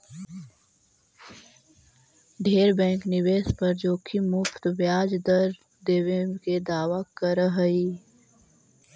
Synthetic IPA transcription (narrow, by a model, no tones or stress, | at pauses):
ɖʱeːɾbɛ̃ːŋknɪʋeːspɐɾd͡ʒoːkʰimʊfʰt̪ʋjaːd͡ʒd̪əɾ | d̪eːʋeked̪aːʋakəɾəɦəiː